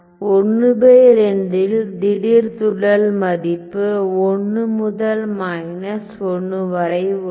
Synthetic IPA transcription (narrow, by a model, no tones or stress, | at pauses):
ɔɳːɯbeːɾɛnd̪ɪld̪ɪɽɪɾt̪ʊɽɐlmɐðɪpːɯɔɳːɯmʊðɐlmajnɐsɔɳːɯʋɐɾɐɪ